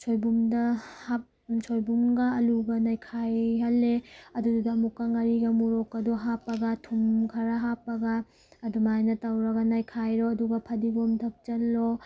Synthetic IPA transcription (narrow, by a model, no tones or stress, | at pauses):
t͡ʃʰojbumdɐhap | t͡ʃʰojbumɡɐːluɡɐnajkʰajɦɐlːeɐdududɐːmukːɐŋɐɾiɡɐmuɾokɐduɦapːɐɡɐtʰumkʰɐɾɐɦapːɐɡɐː | dumajnɐtawɾɐɡɐnajkʰajɾoɐduɡɐpʰɐdiɡomtʰɐp̚t͡ʃɐlːo